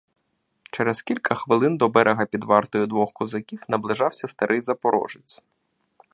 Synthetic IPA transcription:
t͡ʃɛɾɛskʲilʲkʰɐxʋɪlˠɪnd̪ɔbɛɾʔeɦɐpʲid̪ʋɑrt̪ɔjʊd̪ʋɔxkɔzɐkʲiwnɐblˠɪʒɑwsʲɐst̪ɐɾʔɪjzɐpɔɾɔ̰ʒɪt͡sʲ

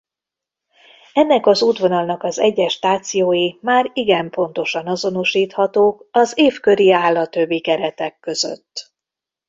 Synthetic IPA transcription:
ɛnːɛkɒzuːd̪ʋo̞nɒlnɒkɒzɛɟːɛʃt̪aːt̪sijoːjimaːɾiɡɛmpo̞nt̪o̞ʃɒnɒzo̞noʃiːt̪hɒt̪oːkɒzeːfkø̞ɾiaːlːɒt̪ø̞bːikɛɾɛt̪ɛkːø̞zø̰t̪ː

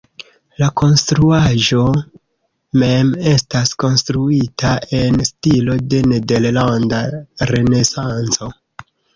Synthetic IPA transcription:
lako̞nstɾuaʒo̞ | me̞me̞stasko̞nstɾuitae̞nstilo̞de̞ne̞de̞ɾlandaɾe̞ne̞sant͡so̞

